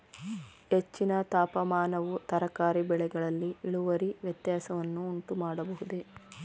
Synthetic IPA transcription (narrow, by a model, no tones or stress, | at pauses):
het͡ʃːinɐt̪aːpɐmaːnɐʋut̪ɐɾɐkaːɾibɛɭɛɡɐɭɐlːiiɭuʋɐɾiʋjɐt̪jaːsɐʋɐnːuːɳʈumaːɽɐbɐɦud̪e̞